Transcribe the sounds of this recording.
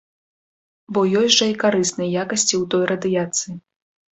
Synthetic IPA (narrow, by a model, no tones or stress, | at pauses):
bɔjɔjʲʐɐikaɾɨsnɨjɐjakɐsʲt͡sʲiwt̪ɔjɾɐd̪ɨjat̪sɨji